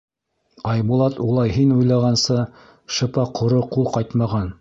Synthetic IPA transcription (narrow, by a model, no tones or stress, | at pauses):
ɑjbulˠɑt̪ulˠɑjɦinujlˠɑʁɑnsɤ | ʃɤ̆pɑqʰŏɾoqulˠqɑjt̪mɑʁɑn